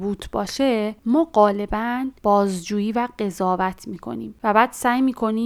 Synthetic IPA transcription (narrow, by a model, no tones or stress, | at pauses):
buːt̪ʰb̥ɒːʃemɒːɢɒːle̞bænb̥ɒːzd͡ʒuːjiːvæɢe̞zɒːvæt̪ʰmiːkʰo̞̰nḭːmvæbæːd̪̥sæːjmiːkʰo̞niː